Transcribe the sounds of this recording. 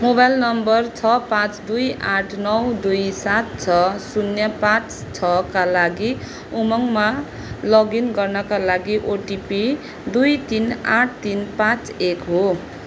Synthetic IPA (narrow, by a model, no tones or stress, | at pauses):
mobajlnʌmbʌrt͡sʰʌpãt͡sd̪ujaʈʰnʌwd̪ujsat̪̚t͡sʰʌsunjʌpãt͡s | t͡sʰʌkalaɡi | umʌŋma | lʌɡinɡʌrnʌkalaɡiʔoʈipi | d̪ujt̪inaʈ̚ʰt̪inpãt͡sekɦo